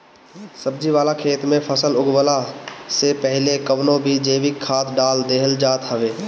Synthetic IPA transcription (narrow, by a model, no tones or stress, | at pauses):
səb̚d͡ʒiʋaːlakʰeːt̪mẽpʰəsəlʊɡwəlasepɛɦlekəʋnõbʱid͡ʒeːʋɪkʰːaːt̪ɖaːld̪eːɦəld͡ʒaːt̪ɦəʋeː